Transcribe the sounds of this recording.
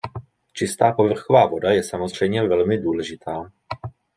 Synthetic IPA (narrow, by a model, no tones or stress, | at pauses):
t͡ʃɪst̪aːpo̞vr̩xovaːvo̞dajɛsamozr̝̥ɛjmɲɛvɛlmɪduːlɛʒɪt̪ʰaː